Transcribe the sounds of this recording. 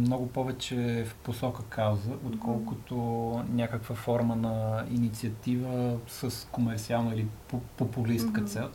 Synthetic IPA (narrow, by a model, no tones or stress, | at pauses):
mnɔɡʊpɔvɛt͡ʃɛfposɔkəkʰawzəʔot̪kʰɔlˠkʊt̪onʲakəkvəfɔɾmənɐinit̪siət̪ivəsəskomɛɾt̪sialˠnəilipopopʊlist̪kət̪sɛlˠ